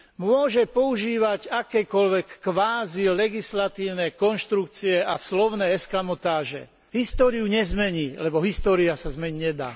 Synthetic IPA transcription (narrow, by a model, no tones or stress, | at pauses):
mʊɔʒɛpɔuʒiːʋaɟakɛːkɔʎʋɛkːʋaːzilɛɡislat̪iːʊnɛkɔnʃt̪ɾuk̚t͡siɛaslɔʊnɛːɛskamɔt̪aːʒɛ̰ | ɦist̪ɔːɾiuɲɛzmɛɲiːlɛbɔɦist̪ɔːɾiasazmɛɲiɲɛd̪a̰ː